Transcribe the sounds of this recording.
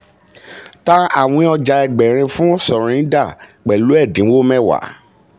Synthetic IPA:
ta˦a̰˦˨w̃ĩ˧ɔ˧d͡ʒa˧ɛ˨ɡ͡bɛ˨ɾ̃ĩ˧fũ˦sɔ˨ɾ̃ĩ˨˦da˦˨k͡pɛ˨lu˨˦ɛ˦˨dĩ˨˦wo˦mɛ˦˨wa̰˨˦

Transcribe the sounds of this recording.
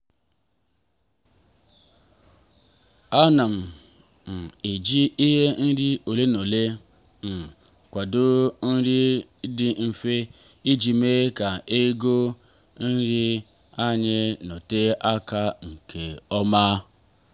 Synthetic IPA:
a˦na˨m̩˨ | m̩˨e˨d͡ʒi˦ʔi˦ɦe˦n̩˦ɾi˦o˨le˦no˨le˦ | n̩˨ | kʷa˨dʊ˦n̩˦ɾi˦dɪ˦m̩˦fe˦ | i˦d͡ʒi˨me˦ka˨e˦ɡo˦ | n̩˦ɾi˦ | a˦ɲe˦no˨te˦ʔa˦ka˦ŋ̩˨ke˨ɔ˦ma˦

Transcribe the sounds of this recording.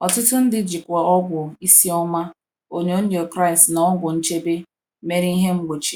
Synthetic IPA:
ɔ˨tʊ˦tʊ˦n̩˦dɪ˦d͡ʒɪ˨kʷa˨ɔ˦ɡʷʊ˨i˦si˦ɔ˦ma˦ | o˦ɲ˦o˦n̩˦jo˨kɾa˦˨ɪ˨stna˨˦ɔ˦ɡʷʊ˨n̩˦t͡ʃe˦be˦ | me˦ɾi˦i˦ɦe˦ŋ͡m̩˦ɡ͡bo˨t͡ʃi˨

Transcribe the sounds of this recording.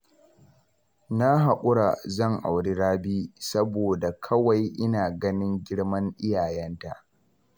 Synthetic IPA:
na˦ɦa˨kʷʼʊ˦ɽa˨zɐ˦˨ŋʔa̰˨wɽi˦ɽaː˦biː˦sɐ˦boː˨da˨kʰɐ˦wa˨jʔɪ˦naː˨ɡɐ˦nɪ˦ŋɡʲɪ˦ɽmɐ˦ŋʔɪ˦jaː˨jɛ˦nta˨ʔ

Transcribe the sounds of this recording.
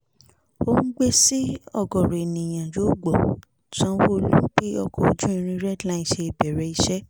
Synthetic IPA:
o˦nũ˦ɡ͡be˦si˦ɔ˦˨ɡɔ˨ɾe˨e˨nĩ˨j̃ã˨d͡ʒo˨˦ɡ͡bɔ˨ | t͡ʃã˦wo˦lũ˦ke˦ɔ˧kɔ˧d͡ʒũ˦i˧ɾ̃ĩ˧ɾɛ˦dla˦ĩ˨n˨ʃe˧i˨bɛ˨ɾɛ˧˦i˧ʃɛ˦

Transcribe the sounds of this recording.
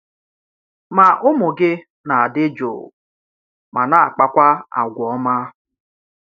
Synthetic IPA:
ma˨ʔʊ˦mʊ˨ɡɪ˦ | na˨a˨dɪ˦d͡ʒo̰˨ | ma˨na˨a˨k͡pa˦kʷa˦a̰˨ɡʷɔ˨˦ma˦

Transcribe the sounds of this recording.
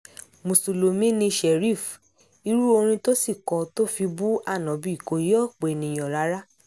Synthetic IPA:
mũ˨so˨lo˨mĩ˦nĩ˧ʃɛ˨ɾi˦˨f | i˧ɾu˦o˧ɾ̃ĩ˧to˦si˦˨kɔ̃˨to˦fi˧bu˦a˦˨nɔ̃˨˦bi˧i˨ko˨˦jɔ˦k͡pe˨nĩ˨j̃ɔ̃˨ɾa˨˦ɾa˦

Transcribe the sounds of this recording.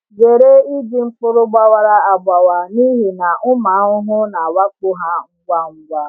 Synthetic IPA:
ɡe˨ɾe˦i˦di˨ŋ͡m̩˦pʊ˦ɾʊ˦ɡ͡ba˦wa˦ɾa˦a˨ɡ͡ba˨wa˨ni˦ɦi˨na˨ʊ˦ma˨˦ʊ˦ɦʊ˦na˨wa˦k͡pʊ˦ɦa˦ŋ͡m̩˦ɡʷa˦ŋ͡m̩˦ɡʷa˦

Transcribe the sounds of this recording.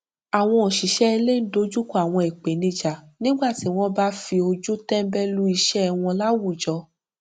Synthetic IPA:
a˨w̃ɔ̃˧o˨ʃi˨ʃɛ˦˧le˦n̩˦do˧˦d͡ʒu˦ko˦a˨w̃ɔ̃˧e˨k͡pe˨nĩ˧d͡ʒa˨nĩ˦ɡ͡ba˦˨ti˨˦w̃ɔ̃˦ba˦fi˧o˧d͡ʒu˦tɛ̃˦m̩˦bɛ˦lu˦i˧ʃɛ˦˧w̃ɔ̃˧la˦wu˦˨d͡ʒɔ˧

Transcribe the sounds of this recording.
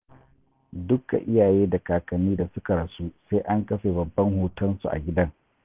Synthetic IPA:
dʊ˦ka̰˨ʔɪ˦jaː˨jeː˦da˨kaː˨kɐ˨niː˦da˨sʊ˦ka˨ɽɐ˨su˦se˦ʔa˦ŋkɐ˦ɸe˨bɐ˨bːɐ˦ŋhoː˨tɐ˦nsṵ˨ʔa̰˨ɡʲɪ˦dɐ˦ŋ

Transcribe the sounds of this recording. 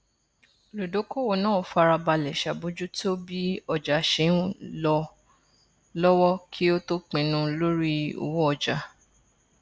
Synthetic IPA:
lu˨do˨˦ko˦˨wo˨nã˦˨o˨fa˧ɾa˧ba˧lɛ˨ʃa˨bo˨˦d͡ʒu˦to˦bi˦ɔ˧d͡ʒa˨ʃe˨˦lɔ˧ | lɔ˦wɔ˦kʰi˦o˦to˦k͡pĩ˧nũ˧lo˦ɾi˦o̰˧wo˦ɔ˧d͡ʒa˨

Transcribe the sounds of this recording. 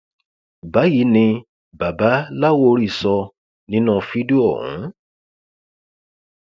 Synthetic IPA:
ba˨˦ji˨˦nĩ˧ | ba˨ba˨˦la˦wo˦˧ɾi˦˨sɔ˧ | nĩ˦nũ˦˨˧fi˦du˦ɔ˦˨ɦṵ̃˨˦

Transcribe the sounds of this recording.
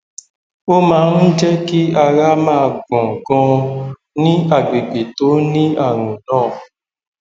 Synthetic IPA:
o˦mãː˦n̩˦d͡ʒɛ˦ki˦a˧ɾa˦mãː˦˨ɡɔ̃˨ɡɔ̃˧ | nĩ˦a˨ɡ͡be˨ɡ͡be˨to˨˦nĩ˦a˦˨ɾ̃ũ˨nãː˦˨

